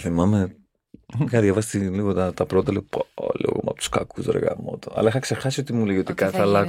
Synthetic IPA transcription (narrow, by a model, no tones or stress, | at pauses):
θimɐme | xɐðʝɐvɐst̪iliɣot̪ɐt̪ɐpɾo̞t̪ɐliɣoplḭɣo̰mɐpot̪u̥skɐkuzɾḛɣɐ̰mo̰t̪oɐ̰lɐixɐkse̞xɐsio̞t̪imuleʝiot̪ikɐθɐlɐ